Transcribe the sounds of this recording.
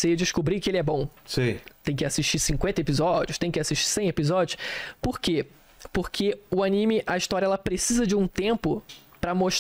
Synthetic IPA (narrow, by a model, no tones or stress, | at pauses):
sed͡ʒɪʃkubɾikɪelɪɛbõw̃sĩt̪ẽj̃kɪasiʃt͡ʃisĩŋkwẽnt̪ɐepizɔd͡ʒiʊʃt̪ẽj̃kɪasiʃt͡ʃi̥sẽj̃epizɔd͡ʒʊspoɾke | poɾkʰeʊanĩmɪʔɐiʃt̪ɔɾjɐɛlɐpɾesizɐd͡ʒɪũt̪ẽmpʊ | pɾɐmoʃ